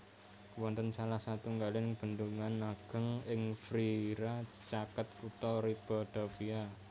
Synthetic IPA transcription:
wɔnt̪ənsalahsat̪uŋɡalenɪŋb̥ə̤nd̪uŋanːaɡ̥ə̤ŋɪŋfɾiɾat͡ʃakət̪̚kut̪ɔɾib̥ɔd̪̥ofia

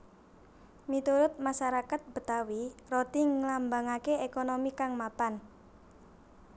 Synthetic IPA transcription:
mit̪uɾʊt̪̚maʃaɾakat̪̚b̥ə̤t̪awirot̪iŋlambaŋakeekonomikaŋmapan

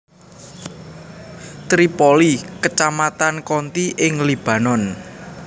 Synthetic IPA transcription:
t̪ɾipɔlikət͡ʃamat̪ankɔnt̪iʔɪŋlib̥a̤nɔn

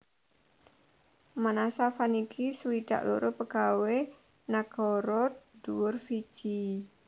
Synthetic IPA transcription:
manasafanikʰisuwid̥a̰ʔlṵɾʊpəɡ̥awe | naɡ̥ɔɾɔt̪̚d̪̥uwʊrfi̥t͡ʃi

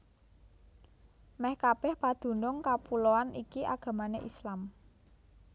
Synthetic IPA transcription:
mɛhkab̥ɛhpad̪̥ṳnʊŋkapuloanikiʔa̰ɡ̥ä̤maneʔislam

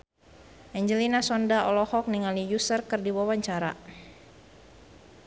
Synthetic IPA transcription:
ʔɛɲd͡ʒəlinasɔndaɔlɔhɔk̚niŋalijusərkərdiwawaɲt͡ʃaɾa̰

